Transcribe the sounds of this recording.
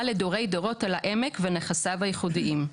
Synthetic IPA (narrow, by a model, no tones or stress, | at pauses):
ledoʁe̞jdoʁo̞talaʔemekveneχasavajiχudiʔim